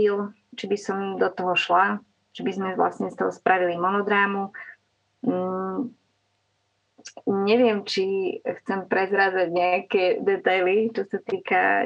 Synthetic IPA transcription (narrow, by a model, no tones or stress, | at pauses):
il | t͡ʃibisɔmd̪ɔt̪ɔɦɔʃla | t͡ʃibizmɛʋla̰sɲɛst̪ɔɦɔspɾaʋilimɔnɔd̪ɾaːmu | ɲɛʋɪɛmt͡ʃixt͡sɛmpɾɛzɾaːd͡zaɟɲɛakɛd̪ɛt̪ajlit͡ʃɔsat̪iːka̰